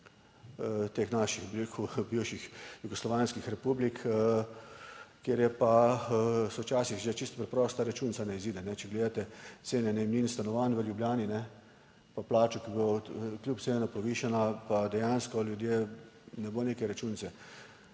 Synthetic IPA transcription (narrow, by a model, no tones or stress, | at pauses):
t̪eːxnaʃixbiɾekʰubiwʃixjuɡɔslɔʋanskixɾɛpublik | kjeːɾjɛpa | sɔwt͡ʃaːsixʒet͡ʃist̪pɾɛpɾɔːst̪aɾat͡ʃunsanɛiziːd̪ɛnɛt͡ʃɛɡleːd̪at̪ɛt̪seːnɛnɛjmniːnst̪anɔʋanʋəljubljaːninɛ | paplaːt͡ʃukiboklʲjup̪senapɔʋiːʃanapad̪ɛjanskɔljud̪jeːnɛboːneːkɛjɾat͡ʃunt̪sɛ